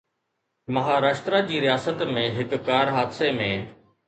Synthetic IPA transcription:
mɐɦaːɾaːʃt̪ɾad͡ʑiːɾɪjaːsət̪mẽɦɪkkaːɾɦaːd̪semẽ

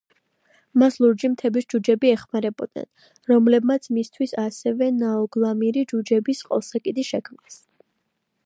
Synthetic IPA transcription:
maslˠuɾd͡ʒimt̪ʰɛbisd͡ʒud͡ʒɛbiɛχmaɾɛbɔd̪̥nɛ̰n | ɾɔmlɛbmat̪sʰmist̪ʰwisasɛvɛnaɔɡlˠamiɾid͡ʒud͡ʒɛbisqʼɔ̰lˠsakʼid̪iʃɛkʰmnɛs

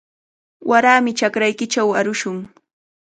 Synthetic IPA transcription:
wʔaɾaːmɪt͡ʃakɾajkɪt͡ʃawaɾʊʃʊŋ

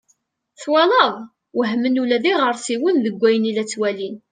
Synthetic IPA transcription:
θwɑləðˤ | wəɦmənulæðiʁəɾsiwənðəɡʷːæjənilæt͡sːwælin

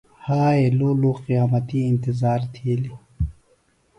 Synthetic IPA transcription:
haːeloːloːqijaːmɐt̪iɪnt̪ɪzaːɾt̪ʰeːli

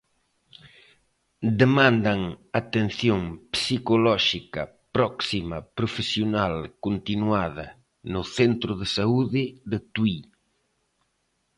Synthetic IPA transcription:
d̪emãnd̪ɐŋat̪enθjoŋpsikolɔʃikɐ̰ | pɾɔksimɐpɾofesjonalkont̪inwaðɐ̰ | nʊθent̪ɾʊðesauðɪðɪt̪wi

